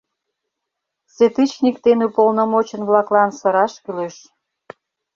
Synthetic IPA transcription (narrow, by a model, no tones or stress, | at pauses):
set̪it͡ɕnʲikt̪enupolnomot͡ɕə̆nβlɑklɑnsə̆ɾɑʃkyløʃ